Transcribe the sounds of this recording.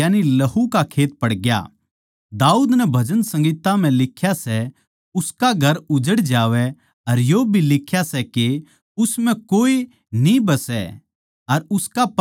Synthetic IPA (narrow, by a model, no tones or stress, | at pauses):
jaːnilɐɦukakʰeːt̪̚pɐɽɡja̰ | d̪aːuːd̪nɛbʱɐd͡ʒənsɐ̃ŋɡiːt̪am̤ɛ̃lɪkʰːjasɛ | ʊskaɡʱɐɾʊd͡ʒəɽd͡ʒaːʋɛ | ɐɾjoːbʱilɪkʰjasɛke | ʊsmɛ̃koːi | nĩbɐsɛ̰ | ɐɾʊskap